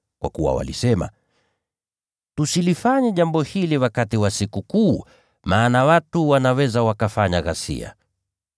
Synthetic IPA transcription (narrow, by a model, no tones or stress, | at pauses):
kwa̰kuwa̰wa̰lḭsɛma̰ | tusilifaɲɛʄambɔhiliwakatiwasikukuː | maːnawatuwanawɛzawakafaɲaɣasḭa̰